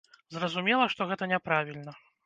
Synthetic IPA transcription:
zrɐzumʲɛlˠɐʂt̪ɔɣɛt̪ɐnʲɛpɾavʲilʲnɐ

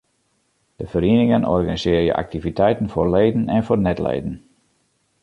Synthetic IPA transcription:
d̥əfəɾinɪŋənɔ̰rɣanizɪːrjə̰ʔa̰k̚tivitʰɛjtən̩forleːdən̩ɛnfornɛtlḛːdən̩

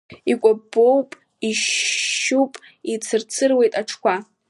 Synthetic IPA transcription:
ikʷʼabːowpʼ | iʃupʼ | it͡sʰɨrt͡sʰɨrwe̞jtʼaʈ͡ʂʰkʷʰa

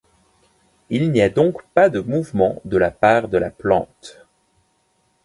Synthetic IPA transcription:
ilniad̪ɔ̃kpad̪əmuvmɑ̃d̪əlapaʁd̪əlaplɑ̰̃t̪

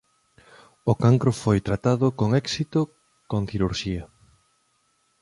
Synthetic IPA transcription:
okaŋkɾofojt̪ɾat̪aðʊkoŋɛksit̪ʊ | kõŋθiɾuɾʃiɐ

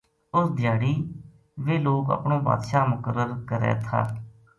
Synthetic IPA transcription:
ʊsd̪ɪjaːɽiː | ʋeːloːkə̰pɳõːba̰ːd̪ʃaːmʊkəɾːəɾkəɾɛ̰ːt̪ʰa̰ː

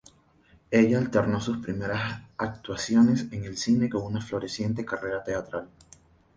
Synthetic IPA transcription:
e̞ʝaːlt̪e̞ɾno̞suspɾime̞ɾasak̚t̪wasjo̞ne̞se̞ŋe̞lsine̞ko̞ŋunaflo̞ɾe̞sje̞nt̪e̞kare̞ɾat̪e̞at̪ɾal

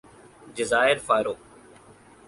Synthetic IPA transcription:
ɖɪzaːɪɾfaːɪɾoː

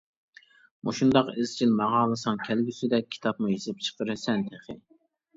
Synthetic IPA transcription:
mʔṵʃund̪ɑqɪzt͡ʃʰilmɑʁɑːlˠɨsɑŋkʲʰɛlɡʲysɪd̪ɛkʲʰːi̥t̪ʰɑpmujesɪp̚t͡ʃʰə̥qəɾɨsɛnt̪ʰeχɪ̰

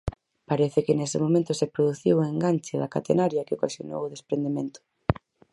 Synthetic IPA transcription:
paɾeθɪkenesɪmomẽnt̪ʊsepɾoðuθiweŋɡant͡ʃeðɐka̰t̪enaɾjɐkeokasjo̰no̰wʊðespɾend̪emẽnt̪ʊ̥

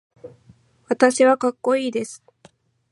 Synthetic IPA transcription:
βat̪aɕiβakakːo̞iːd̪e̞sɨ̥

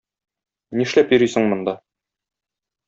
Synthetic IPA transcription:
niʃlæpjɵ̆ɾisɘ̆ŋmŏnd̪ɑ

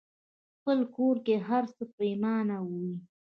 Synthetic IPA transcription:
xpəlkoɾkeɦaɾsəpəjmɑnawuwi

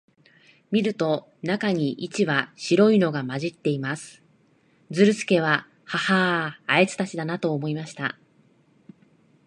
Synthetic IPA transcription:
mʲiɾɯ̟t̪o̞ | nakaɲ̟iʔit͡ɕiβaɕiɾo̞ino̞ɡamaʑit̪ːe̞imasɨ̥ | d͡zɨɾɯ̟sɨ̥ke̞β̞a | hahaːe̞t͡sɨ̥t̪at͡ɕid̪anat̪o̞ːmo̞imaɕi̥t̪a̰

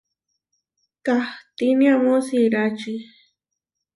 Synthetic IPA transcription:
kaht̪iniamosiɾat͡ʃi

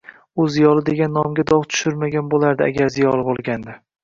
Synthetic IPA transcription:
ʊzijɒlˠɪd̪e̞ɡʲanːɒmɡʲad̪ɒʁt̪ʰʊ̥ʃʊɾmaɡʲanbolˠaɾd̪ɪa̰ɡʲaɾzijɒlˠɪbolˠɡʲand̪ɪ

